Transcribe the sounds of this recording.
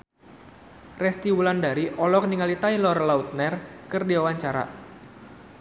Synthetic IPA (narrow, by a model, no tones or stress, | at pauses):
rɛst̪iwulandaɾiʔɔlɔk̚niŋalit̪ailɔrlaut̪̚nɛrkɨrdiawaɲt͡ʃaɾa̰